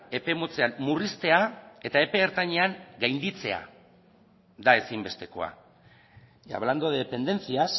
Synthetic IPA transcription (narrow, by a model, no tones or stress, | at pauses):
e̞pe̞mot͡se̞anmurist̪e̞ae̞t̪ae̞pe̞ːɾt̪aɲe̞aŋɡajnd̪it͡se̞a̰ | ðae̞simbe̞st̪e̞ko̞̰a̰ | a̰βland̪oðeepe̞nd̪e̞nt͡sias